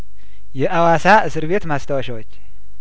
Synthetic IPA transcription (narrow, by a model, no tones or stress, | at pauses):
jɛʔawasaɨsɨɾβe̞t̪mast̪ʰəwəʃɛwot͡ʃː